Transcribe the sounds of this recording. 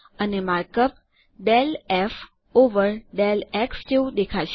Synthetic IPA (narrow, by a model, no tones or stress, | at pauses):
ənemaɾkəp̚ | ɖɛlɛf | oʋəɾɖɛlɛksd͡ʒeũd̪ekʰaʃʰ